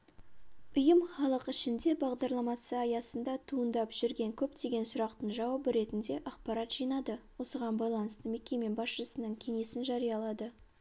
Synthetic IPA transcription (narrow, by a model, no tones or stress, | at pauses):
ʊjəmχɑlˠəqɪʃɪnd̪e̞bɑʁd̪ɑɾlˠɑmɑsəɑjɑsənd̪ɑt̪ʰuənd̪ɑpʒ̥ɪɾɡʲe̞ŋkʲʰɵpt̪e̞ɡʲe̞nsʊɾɑqt̪əɴʒɑwɑbəɾe̞t̪ɪnd̪e̞ʔɑq̚pɑɾɑt̪ʒ̥ijnɑd̪əwo̞səʁɑnbɑjlˠɑnəst̪əme̞kʲe̞me̞bɑsʃəsənəɴkʲʰe̞ŋe̞sɪnʒɑɾijɑlˠɑd̪ə